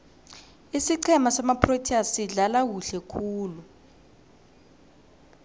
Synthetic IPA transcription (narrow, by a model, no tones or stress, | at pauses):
isiǀʰɛmasamapʰrotʰiasiɮalak̬uɬɛkʰuːlu